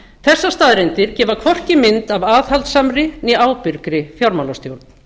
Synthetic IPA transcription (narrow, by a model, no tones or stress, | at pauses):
θɛsːast̪aːðɾent̪ɪɾ̥cɛːvakʰvɔr̥cɪmɪnt̪avaːðhalt̪samɾɪniaːwpʏɾkɾɪfjawɾmawlast̪jowɾt̪n